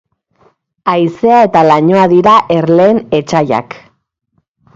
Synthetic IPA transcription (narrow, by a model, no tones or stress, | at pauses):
ajse̞ae̞t̪alaɲo̞aðiɾaʔe̞ɾle̞ːne̞t͡ʃaja̰k